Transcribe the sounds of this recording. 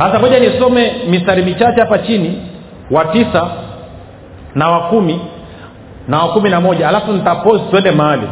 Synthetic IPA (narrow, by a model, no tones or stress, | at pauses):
hasamɔʄanisɔmɛmistaɾimit͡ʃat͡ʃɛhapat͡ʃini | watisa | nawakumi | nawakuminamɔʄaːlafunitapɔsi̥tuɛndɛmaalḭ